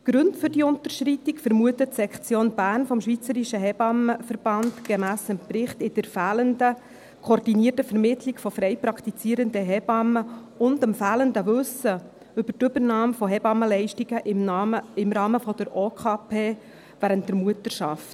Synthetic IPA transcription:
ɡ̥ɾʉntfʏɾdiʊntəɾʃɾitikfəɾmuətətsɛkt͡sjoːnbæːrnfɔmʃʋit͡səɾiʃəɦɛbɑməfəɾb̥ɑntɡ̥emæːsɪmprɪχtɪd̥əɾfæːləndə | kʰoːrdiniərtəfɛɾmɪtʰlikfɔfɾɛjpɾɑkʰt̪it͡siːəɾəndəɦɛbɑmːəʊndəmfæːləndəʋɵsːə | ʏbərtʏbəɾnɑːmfɔɦɛbɑməlɛɪʃtiɡ̥əʔɪɪmɾɑːməfɔd̥̪əɾoːkʰɑːpʰeː | væɾənt̚dəɾmuətəɾʃɑft

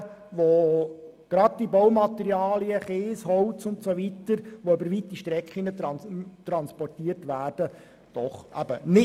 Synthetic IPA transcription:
ʋo | ɡ̥ɾɑd̚d̥ibɔwmɑt̪ɛɾiɑːliəχeːsɦɔwtt͡sʊntsoʋit̪əɾʋoʏbəɾʋit̪ːiʃtɾɛkχinət̪ɾɑt̪ɾɑnspɔrtiərtʋæːrd̥ə | d̥ɔχʔæ̰bə̰nɪ

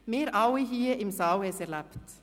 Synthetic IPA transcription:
meːɾawiɦiːʔimsawhɛsɛɾlapt̪

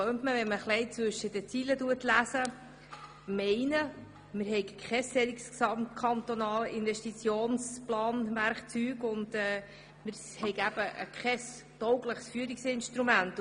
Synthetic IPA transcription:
øːmtməvɛnməχlɛɪt͡sʋɵʃəd̥̪ət͡silətuətlæsə | mɛɪnə | mɪɾɦɛɪkkχɛsɛɾiksksɑmt̚kʰɑnt̪onɑːlʔɪnvɛʃtit͡sjoːnsplɑːnmæɾχt͡syːɡʊndɛː | mɪɾ | hɛɪɡæb̥əə̰kχɛs | tɔwɡləχsfyːəɾiksɪnʃtɾumænt

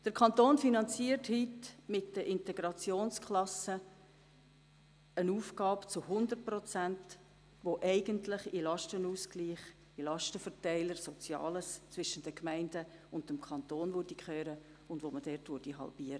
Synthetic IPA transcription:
d̥əɾkʰχɑnt̪oːnfinɑnt͡siərthytmɪtd̥əʔɪntɛɡɾɑt͡sjoːnskʰlɑsə | ənuːfɡɑːpt͡sʊhʊnd̪ərt̚prɔt͡sænt | ʋoʔɛɪɡəntlɪχilɑʃtənuːskliːχ | ilɑʃtəfərtɛɪləɾsɔt͡sjɑ̰ːləst͡sʋɪʃənd̥əkmɛɪndəʊndəmkʰχɑnt̪oːnʋʊɾdikχøːɾə | ʊndʋoməd̥ɛtʋʊɾd̥iɦɑ̰lb̥iːəɾə

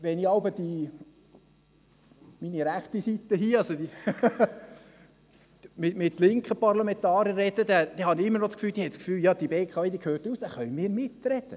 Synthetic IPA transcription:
ʋɛniɑlbəd̥̪i | miniɾæχt̪isit̪ːəɦiːɑsod̪i | mɪmɪt̪lɪŋkχəpɑɾlɑmɛnt̪ɑːɾjəːɛd̥̪əd̥̪ɛd̥̪ɛhɑniɪmːənot͡skfyːld̥̪iːhɛtt͡skfyːljɑːd̥̪ibeːkʰɑeːd̪ikʰhøːɾtuːsd̥̪ɛχœʏmɪːɾmɪt̪rɛd̥̪ə

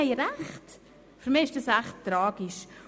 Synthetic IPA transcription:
ɛɪɾæχt | fyɾmɪːɪʃd̥ɑsæχttːɾɑːɡ̥iʃ

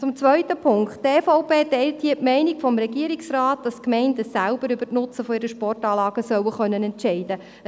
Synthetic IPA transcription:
t͡sʊmt͡sʋœʏtəpʰʊŋkttefɔʊpeːtɛɪlthiːətmɛɪnikfɔmɾɛɡiːəɾiksrɑːt̚d̥ɑskmɛɪndəsælb̥əɾʏbətnʊt͡səfɔɪɾəʃpɔrtɑːlɑːɡ̥əsœwəχœnːənɛnt͡ʃɛɪd̥ə

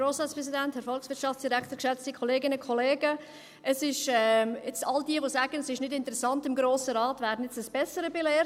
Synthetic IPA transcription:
ɾoːsʁɑːtspɾɛs̬idænthɛɾfɔlksʋɪtʃɑftt͡sd̥iɾækt̪əɾkʃɛt͡stikʰɔleːɡɪnəkʰɔleːɡə | əsɪʃɛɪt͡sɑldiəʋosæːɡ̥ənəsɪʃnɪdɪntəɾɛsɑntɪmɡɾoːsəɾɑːtʋæːɾdən̩jɛt͡səsb̥ɛsəɾəbelɛː

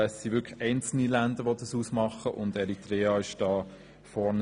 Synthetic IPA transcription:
ɛsːiʋʏɾkχɛɪnt͡sl̩nilændəɾʋodɑsusmɑχəʔʊndɛɾitɾɛːɑɪʃd̥ɑː | fɔɾn

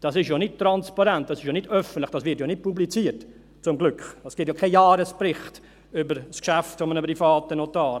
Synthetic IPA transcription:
d̥ɑsɪʃjonɪt̚tɾɑnspɑɾɛnt̚dɑsɪʃjonɪdœfən̩tlɪχd̥ɑsʋɪɾtjonɪt̚publit͡siːəɾt | t͡sʊmɡlʏkχɑsɡ̥ɪt̬jokʰɛjɑːɾəsprɪχt | ʏbəɾskʃæftfɔmənəprifɑːtənotɑːɾ

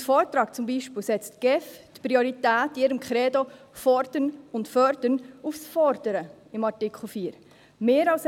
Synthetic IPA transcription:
fɔːɾtɾɑːkt͡sʊmbiːʃpɪːlsɛt͡stɡ̥ɛftpɾioɾitæːtɪɾəmkχɾɛːdo | fɔɾd̥ənʊntfœɾd̥ənufsfɔɾd̥əɾə | ɪmɑɾtɪkχl̩fiːɾ | meːɾɑls

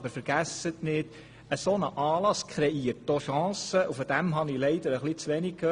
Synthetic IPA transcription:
bəɾfəɾɡ̥æsətnɪd̥ | əsoːnəʔɑːlɑskʰχɾɛiərt̚doʃɑ̃ːsəʔufɔd̥̪æmɦɑnilɛɪd̥̪əɾəχlit͡sʋɛnik̚kːø

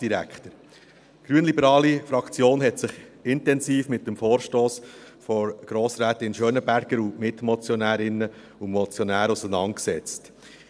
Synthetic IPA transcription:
d̥iɾæ̰kχtəɾ | ɡ̥ɾyənlibəɾɑːlifɾɑkt͡sjoːnɦɛtsɪχɪntɛnsiːfmɪt̚ːəmfoːɾʃtoːsfɔɾɡ̥ɾoːsɾæːtɪnʃøːnəbæɾɡ̥əɾumɪtmɔt͡sjɔnæːɾɪnːə | umɔt͡sjɔnæːɾusənɑ̰nt̚ksɛt͡st

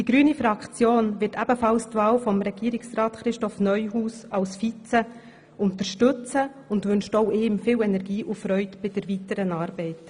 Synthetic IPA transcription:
d̥iɡ̥ɾyːnifɾɑkt͡sjoːnʋɪtʰæbəfɑlstʋɑːlfɔmɾɛɡ̥iːɾɪksɾɑːtχɾɪʃtɔfnœʏɦuːsɑwsfit͡sə | ʊntəɾʃtɵt͡sə | ʊndʋʏnʃtoʊʔɪːmfɪːlɛnɛɾɡiːʔʊfɾœʏtb̥ɪd̥ɛɾvitəɾənɑːɾbɛɪt

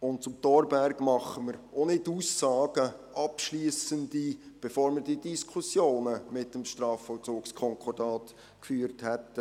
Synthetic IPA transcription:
ʊnt̚t͡sʊmtɔɾbæɾɡmɑχəməɾoːnɪtuːsɑːɡ̥əʔɑpʃliːəsəndib̥efoːɾməɾdidiskʰʊsjoːnəmɪtːəmʃtɾɑːfɔlt͡suːkskʰɔŋkʰɔrdɑːt | kfyːɾthɛt

